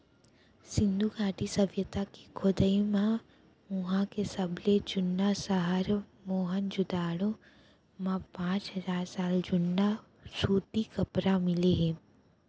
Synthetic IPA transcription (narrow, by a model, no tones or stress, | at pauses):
sɪ̃nd̪ʱuɡaːʈisɐʋjət̪aki̥kʰod̪əimã | ʊ̃ɦãkesɐbʱled͡ʒʊnːasəɦəɾmoːɦənd͡ʒʊd̪aːɽo | mãpãːt͡ʃɦəzaːɾsaːld͡ʒʊnːa | suːt̪ikɐpɾamɪleɦɛ̃ː